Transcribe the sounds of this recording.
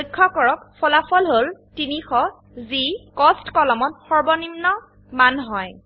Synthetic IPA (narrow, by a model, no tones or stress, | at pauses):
ojkʰːɔkɔɹɔkpʰɔlapʰɔlɦoltinixɔ | zikɔstkɔlɔmɔtxɔɹbɔnimnɔ | manɦɔj